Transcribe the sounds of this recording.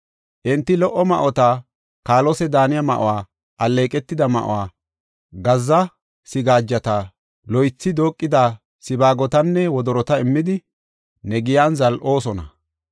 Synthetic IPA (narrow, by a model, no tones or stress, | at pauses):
ʔɪnt̪ːɪlɔʔːɔmɐʔɔt̪a | kaːlɔsɛd̪aːnɪjɐmɐ̰ʔʊ̰waː | ʔɐlːe̞ːkʼɛt̪ːɪd̪ɐmɐ̰ʔʊ̰waː | ɡɐzːɐ | sɪɡaːd͡ʒːɐt̪ɐ | lɔjt͡sːɪd̪o̞ːkʼːɪd̪aː | sɪbaːɡɔt̪ɐnːɛwɔd̪ɔɾɔt̪ɐɪmːɪd̪ɪ | nɛɡɪjaːnzɐlʔo̞ːsɔnɐ̰